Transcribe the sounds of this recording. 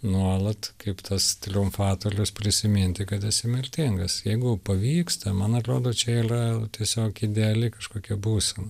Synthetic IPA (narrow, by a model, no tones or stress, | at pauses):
nuɔlˠɐt̪kɐɪpt̪ʰɐst̪ʲɾʲɪʊmfɑːt̪oːɾʲʊspʲrʲɪsʲɪmʲɪnʲt̪ʲɪkɐt̪ɛsʲɪmʲɪrʲt̪ʲɪŋɡɐsjɛɪɡʊpɐʋʲiːkst̪ɐmɐnɐt̪ɾoːd̪oːt͡ʃʲɛiːrɐt̪ʲiɛsʲoːkɪd̪ʲɛɐlʲɪkɐʃkoːkʲiɛbuːsʲɛmɐ